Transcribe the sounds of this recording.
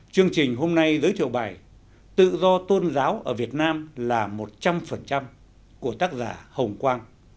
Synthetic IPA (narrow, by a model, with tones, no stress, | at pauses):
t͡ɕɨ˧əŋt͡ɕï˨˩ŋ̟ɦo˧mna˧jzɨː˨˦jt̪ʰḭ˧˨wɓaː˨˩j | t̪ɨ̰˧˨zɔ˧t̪o˧nzaː˨˦wʔəː˧˩vi˨˩ət̚naː˧mlaː˨˩mo˨˩t̚t͡ɕa˧mfə˨˩nt͡ɕa˧m | ku˧˩ət̪aː˦˥k̚zaː˧˩hə˨˩wŋ͡mkwaː˧n